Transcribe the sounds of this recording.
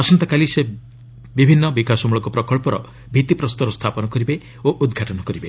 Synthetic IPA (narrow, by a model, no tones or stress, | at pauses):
ɔsɔnt̪ɔkalise | bibʱinːɔbikasɔmuɭɔkupɾɔkɔɭpɔɾɔ̰ | bʱit̪ipɾɔst̪ɔɾɔst̪ʰapɔnɔkɔɾibe | oʔud̪ɡʱaʈɔnɔkɔɾibe